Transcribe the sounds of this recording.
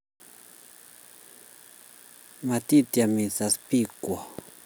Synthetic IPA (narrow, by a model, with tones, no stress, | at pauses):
ma˨t̪i˦t̪ja˨mi˨t͡sa˨spi˦˨kwa˨